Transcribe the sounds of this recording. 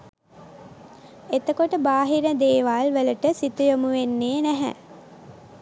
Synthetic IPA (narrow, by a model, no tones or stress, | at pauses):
et̪əkoʈəbaːɦiɾəd̪eːʋalʋələʈəsit̪ujomuʋenːeːnæɦɛ̰